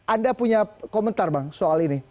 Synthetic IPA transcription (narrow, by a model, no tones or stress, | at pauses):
ʔandapuɲakomənt̪arbaŋsoalini